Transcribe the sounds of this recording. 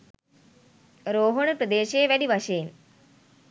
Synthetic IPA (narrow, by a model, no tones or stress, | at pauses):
ɾoːɦoɳ̃pɾəd̪eːʃeːʋɛɽiʋɐʃeːn